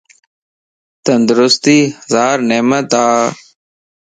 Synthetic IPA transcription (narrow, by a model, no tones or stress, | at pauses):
t̪ənd̪ɾʊst̪iːhəzaːɾneːmət̪aː